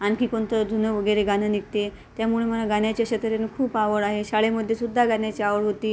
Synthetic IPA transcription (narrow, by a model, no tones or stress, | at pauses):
ankiːkoɳt̪əd͡z̪ʱunəʋəɡəɾeɡanənik̚t̪e | t̪jamuɭem̤ənaɡanjat͡ɕjaɕət̪əɾenikʰuːpaʋəɭaɦeɕaɭeməd̪ʱːjesud̪ʱːaɡanjat͡ɕiaʋəɭɦot̪iː